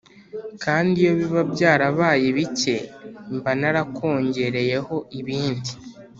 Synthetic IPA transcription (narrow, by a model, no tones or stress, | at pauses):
kaːndijo̞βiβabjaːɾaβaːjeβice̞mbanaɾakʰo̞ːɲɟe̞ɾe̞je̞ho̞iβiːndi